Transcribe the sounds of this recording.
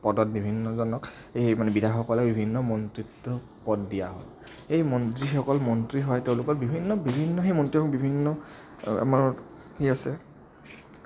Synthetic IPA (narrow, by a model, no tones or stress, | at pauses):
pɔdɔt̚bibʱinːɔzɔnɔk | ejmanɛbidʱaxɔkɔlɛbibʱinːɔmɔntɹitːɔ | pɔdːijaɦɔj | ejmɔnzixɔkɔlmɔntɹiɦɔjteʊ̃lʊkɔt̚bibʱinːɔbibʱinːɔxemɔntɹiɦɔkbibʱinːɔ | ɛ̰maɹ | heasɛ